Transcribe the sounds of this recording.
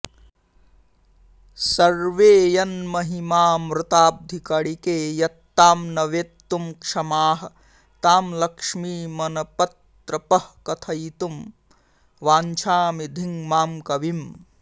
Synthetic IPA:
sɐɾʋeːjɐnmɐɦimaːmɾɪt̪aːb̚d̪ʱikɐɽikeːjɐt̪ːaːmnɐʋeːt̪ːumkʂɐmaːɦɐ̆ | t̪aːmlɐkʂmiːmɐnɐpɐt̪ | ɾɐpɐhkɐt̪ʰɐjt̪um | ʋaːɲt͡ʃʰaːmid̪ʱiŋmaːmkɐʋim

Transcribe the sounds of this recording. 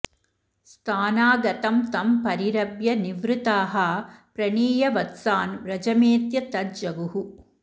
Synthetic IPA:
st̪ʰaːnaːɡɐt̪ɐmt̪ɐmpɐɾiɾɐbjɐniʋɾut̪aːɦɐpɾɐɳiːjɐʋɐt̪saːnʋɾɐd͡ʒɐmeːt̪jɐt̪ɐt̪̚d͡ʒɐɡuɦu

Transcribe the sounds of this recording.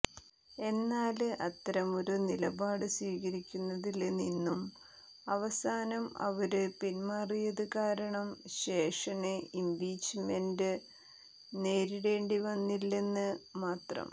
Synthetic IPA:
e̞nːaːlɨʔɐt̪ːɐɾɐmo̞ɾunilɐbaːɽɨswiːɣɐɾikʲːunːɐðilninːum | ɐʋɐsaːnɐmɐ̰ʋɐɾɨpinmaːrijɐðɨkaːɾɐɳɐmɕe̞ːʂɐneimbiːt͡ɕme̞ndɨ | ne̞ːɾiɽe̞ːɳɖiʋɐnːilːe̞nːɨmaːt̪rɐ̰m

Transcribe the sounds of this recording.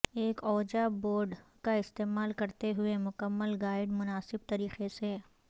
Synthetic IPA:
eːkɔːd͡ʒaboːɾɖkaɪst̪eːmaːlkɐɾt̪eɦʊemʊkəmːəlɡaːɪɖmʊnaːsɪb̚t̪ɐɾiːqeseː

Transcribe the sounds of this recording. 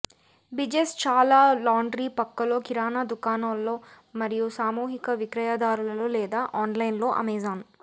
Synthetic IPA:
bid͡ʒest͡ʃaːlaːlaːɳɖɾiːpɐkːɐlo̞ːkiɾaːnad̪ukaːnɐːlːo̞ː | mɐɾijusaːmuːɦikɐʋikɾɐjaːd̪aːɾulɐloːlɛːd̪aːʔaːnlɐjnlo̞ːʔɐ̰mɛːzaːn

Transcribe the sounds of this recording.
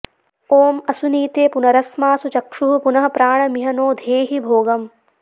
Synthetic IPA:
oːmɐsuniːt̪eːpunɐɾɐsmaːsut͡ʃɐkʂuɦupunɐɦɐ̆pɾaːɳɐmiɦɐnoːd̪ʱeːɦibʱoːɡɐm

